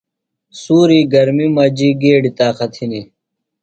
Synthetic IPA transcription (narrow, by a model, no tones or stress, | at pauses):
suːɾiːɡɐɾmimɐd͡ʑiːɡeːɖit̪aːqɐt̪ʰini